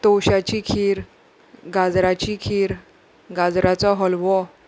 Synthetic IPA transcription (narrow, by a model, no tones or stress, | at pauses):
t̪oɕat͡ɕikʰiːɾ | ɡad͡zɾat͡ɕikʰiːɾ | ɡad͡zɾat͡sɔɦɔlʋɔ